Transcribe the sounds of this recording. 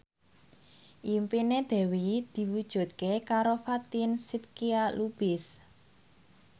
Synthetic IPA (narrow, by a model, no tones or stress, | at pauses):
ʔimpined̪̥ɛ̤wid̪̥i̤wud̥ʒ̥ṳt̪̚kekaɾofat̪insit̪̚kialub̥ɪs